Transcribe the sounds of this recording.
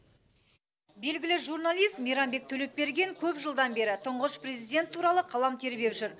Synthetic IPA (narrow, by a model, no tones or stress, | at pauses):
be̞lɡʲɪlɪʒurnalˠijst̪mijɾanbe̞k̚t̪ʰɵle̞p̚be̞ɾɡʲe̞ŋkʲʰɵpʒəlˠd̪ɑnbe̞ɾɪt̪ʰʊɴʁəʃprezijd̪ʲe̞nt̪ʰːuɾɑlˠəqʰɑlˠɑmt̪ʰe̞ɾbepʒʏɾ